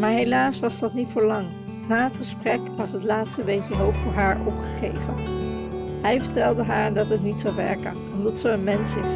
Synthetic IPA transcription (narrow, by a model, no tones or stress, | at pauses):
maːɹɦejlaːsʋɑsdɑtnitfʊːɹlɑŋ | naːɦətχəsprɛkʋɑsɦətlaːtstəʋejkəɦowpfʊːɹɦaːɹɔpχə̥χḛjvən | ɦɛjvəɹtɛlˠdəɦaːɹdɑtɦətnitsɑwʋɛ̰ɹkənɔmdɑtsəənmɛnsɪs